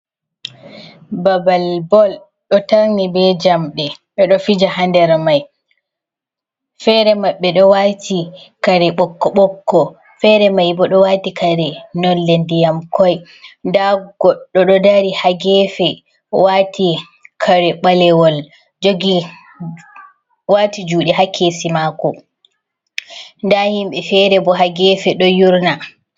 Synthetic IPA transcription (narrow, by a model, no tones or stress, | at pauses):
babalbɔl | ɗɔtaɾnibɛd͡ʒamɗɛɓɛɗɔfid͡ʒaɦandɛɾmaj | fɛɾɛmaɓːɛɗɔwatʰi | kaɾɛɓɔkːɔɓɔkːɔ | fɛɾɛmajbɔɗɔwatikaɾɛnɔlːɛndijamkɔj | ndaɡ̥ɔɗːɔɗɔdaɾihaɡɛfɛ | watʰi | kʰaɾɛɓalɛwɔl | d͡ʒoɡi | watid͡ʒuːɗiɦakʰːesimakɔ | ndahimɓɛfɛɾɛbɔɦaɡɛfɛɗɔjuɾna